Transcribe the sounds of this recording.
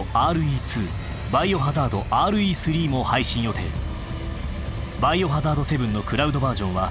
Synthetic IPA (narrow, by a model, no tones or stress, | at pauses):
aːɾɯ̟iːt͡sɨː | baio̞ɦazaːd̪o̞ʔaːɾɯ̟iːsɨɾʲiːmo̞haiɕĩɰ̃jo̞t̪e̞̰ɾɯ | baio̞ɦazaːd̪o̞se̞bɯ̟̃nːo̞kɯ̟ɾaɯ̟d̪o̞baːʑõ̞ɰ̃βa